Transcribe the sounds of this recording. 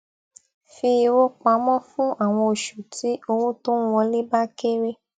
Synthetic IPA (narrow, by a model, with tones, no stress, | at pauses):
fi˧wo˦k͡pa˨˧˦mɔ̃˦fũ˦a˦˨w̃ɔ̃˧o˨ʃu˨tʰi˨˦o˧wo˦to˦wɔ̃˧le˦ba˦ke˦ɾe˦